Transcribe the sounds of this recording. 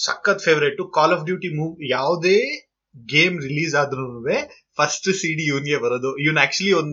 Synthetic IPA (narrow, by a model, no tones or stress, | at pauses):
sɐ̰kːɐt̪pʰeːʋɾeʈːukaːlɔːfɖjuːʈimuːʋjaːʋd̪eː | ɡeːmɾiliːzaːd̪ɾunʋe | pʰɐsʈsiːɖiːiʋɐnɡebɐɾoːd̪uiʋɐnæːk̚t͡ʃuɐliond̪